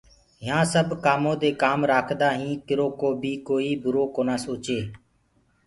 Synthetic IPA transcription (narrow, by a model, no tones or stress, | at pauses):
ɦɪjãːsəbʱkaːmõːd̪eːkaːmɾaːkʰd̪aːɦĩːkɪɾoːkoːbʱiːkoːiːbʊɾoːkoːnaːsoːt͡ʃeː